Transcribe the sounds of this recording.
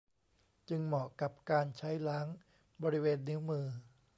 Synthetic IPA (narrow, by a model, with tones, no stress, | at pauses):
t͡ɕɯ˧ŋmɔː˨˩ka˨˩p̚kaː˧nt͡ɕʰa˦˥jla˦˥ŋ | bɔː˧ɾi˦˥weː˧nːi˦˥wmɯː˧